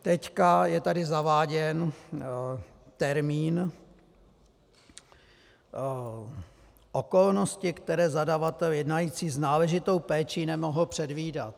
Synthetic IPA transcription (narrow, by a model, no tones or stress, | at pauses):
t̪ɛckajɛt̪adɪzavaːɟɛn | t̪ɛɾmiːn | ʔoko̞lno̞scɪkt̪ɛɾɛːzadavat̪ɛljɛdnajiːt͡siːznaːlɛʒɪt̪o̞wpɛːt͡ʃinɛmo̞ɦl̩pr̝̥ɛdviːda̰t̪̚